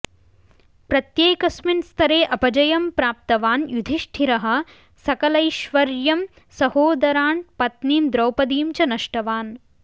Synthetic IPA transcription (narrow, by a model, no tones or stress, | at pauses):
pɾɐt̪jeːkɐsminst̪ʰɐɾeːʔɐpɐd͡ʒɐjɐmpɾaːp̚t̪ɐʋaːnjud̪ʱiʃʈʰiɾɐɦɐ̆ | sɐkɐlɐjʃʋɐɾjɐm | sɐhoːd̪ɐɾaːnpɐt̪niːmd̪ɾɐwpɐd̪iːmt͡ʃɐnɐʃʈɐʋaːn